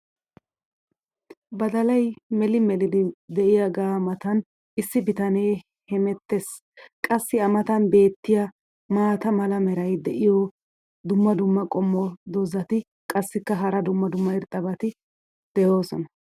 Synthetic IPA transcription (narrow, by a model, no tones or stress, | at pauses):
bɐd̪ɐlɐjmɛlɪmɛlɪd̪ɪd̪ɛʔɪjaɡaːmɐt̪ɐn | ɪsːɪbɪt̪ɐne̞ː | hɛmɛt̪ːes | kʼɐsːɪɐmɐt̪ɐnbe̞ːt̪ːɪjɐ | maːt̪ɐmɐlɐmɛɾɐjd̪ɛʔɪjɔ | d̪ʊmːɐd̪ʊmːɐkʼɔmːɔd̪ɔzɐt̪ɪ | kʼɐsːɪkːɐɦɐɾɐd̪ʊmːɐd̪ʊmːɐɪɾt̪ʼːɐbɐt̪ɪ | d̪̥ɛjo̞ːsɔ̰nɐ